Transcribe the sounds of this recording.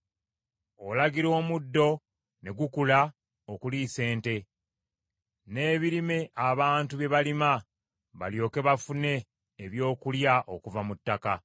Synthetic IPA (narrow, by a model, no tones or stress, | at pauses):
olaɡiɾo̞ːmudːo̞ | ne̞ɡukula | okulise̞ːnte̞ | ne̞ːβiɾime̞ʔaβaːntuβje̞βalima | βa̰ljo̞ːke̞βafune̞ː | βjo̞ːkuljaʔo̞kuvamutːaka